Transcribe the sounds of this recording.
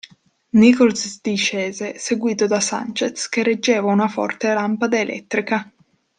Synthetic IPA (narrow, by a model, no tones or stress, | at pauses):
nikɔlsd̪iʃɛːzeseɡwiːt̪od̪asa̰nt͡ʃet̪skeɾed͡ʒːeːvaunafɔ̰rt̪elampad̪aelʔɛ̰t̪ːɾika